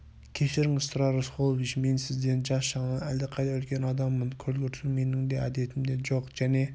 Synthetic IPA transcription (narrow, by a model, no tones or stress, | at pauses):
kʲʰe̞ʃɪɾɪŋɪz̥sʊɾɑɾəsqʰolˠovit͡ʃme̞nsɪzd̪e̞nd͡ʒɑsʃɑɴɑæld̪ɪqʰɑjd̪ɑɵlkʲe̞nɑd̪ɑmːənkʲʰɵlɡʲeɾt̪ʰɪlmenɪŋd̪eæd̪e̞t̪ɪmd̪e̞ʒoqʒ̥æne̞